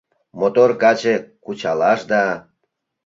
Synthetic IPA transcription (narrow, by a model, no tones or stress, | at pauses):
mot̪orkɑt͡ɕekut͡ɕɑlɑʃd̪ɑ